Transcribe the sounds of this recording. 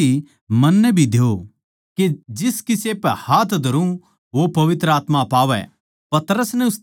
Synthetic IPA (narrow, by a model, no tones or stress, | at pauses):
i | mɐnːɛbʱid̪jo | kid͡ʒɪskɪsepɛhaːt̪ʰd̪ʱɐɾũ | ʋopɐʋɪt̪ɾəaːt̪mãpaːʋɛ̰ | pɐt̪ɾəsnɛ̃ʊs